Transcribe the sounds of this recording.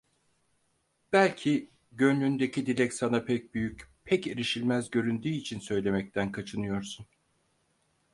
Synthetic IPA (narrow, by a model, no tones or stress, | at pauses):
b̥ælʲcʰi | ɟø̞nlʲynd̪e̞cʰid̪ilʲɛcsanapʰɛc̚byjycpʰɛceɾiʃilʲmæzɟø̞ɾynd̪yːit͡ʃʰinsø̞jlʲe̞mɛc̚t̪ʰænkʰat͡ʃʰɯnɯjo̞ɾsun